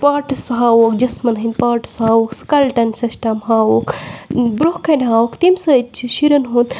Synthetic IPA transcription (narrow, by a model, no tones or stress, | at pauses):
paːʈɨsɦaːwoːkd͡ʒɐsmɐnɦɐnʲd̪paːʈsɦaːwoːkskɐlʈɐnsisʈɐmɦaːwoːkbɾohkɐnʲɦaːwokt̪imsɐtt͡ʃʰiʃiɾɐnɦõːnt̪